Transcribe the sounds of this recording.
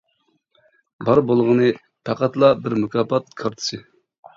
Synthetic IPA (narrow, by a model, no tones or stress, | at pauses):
bɑɾbolˠʁənɨ | pʰæqæt̪lˠɑbɪɾmukʰɑːpɑt̪̚kʰɑɾt̪ʰɨ̥sɨ